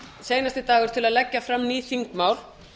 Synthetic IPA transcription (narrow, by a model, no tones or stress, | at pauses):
seːjnast̪ɪt̪aːɣʏɾ̥t̪ʰɪlaðlɛcːafɾamniːθiŋkmaːwɾ̥